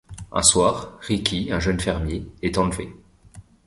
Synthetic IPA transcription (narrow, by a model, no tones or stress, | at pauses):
ɛ̰̃swaːʁːikʲʰiɛ̃ʒənfɛʁmjeɛt̪ɑ̃lve